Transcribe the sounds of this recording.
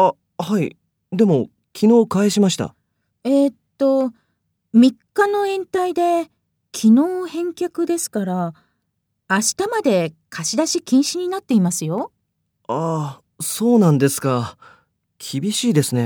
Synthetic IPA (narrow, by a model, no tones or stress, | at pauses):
a | hai | d̪e̞mo̞ | kʲino̞ːkaeɕimaɕi̥t̪a̰ | et̪ːo̞ | mʲikːano̞ẽ̞nt̪aid̪e̞ | kʲʰino̞ːhẽ̞ŋkʲakɯ̟d̪e̞sɨ̥kaɾa | ɕi̥t̪amad̪e̞kʰaɕid̪aɕikʲĩɰ̃ɕiɲ̟inat̪ːe̞imasɨjo̞ | a | so̞ːnãnd̪e̞sɨ̥ka | kʲʰibʲiɕiːd̪e̞sɨne̞